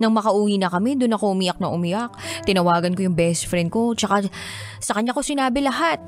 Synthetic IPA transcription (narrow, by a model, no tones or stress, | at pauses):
nɐŋmɐkɐʔuːwinɐkɐmɛd̪ʊnːɐkoʔʊmijɐk̚nɐʔʊmijʔɐk̚t̪ɪnɐwaːɡɐnkojʊŋbɛst̪fɾɛnd̪̚ko̞t͡ʃɐka | sɐkɐɲːakosɪnaːbɪlɐɦat̪̚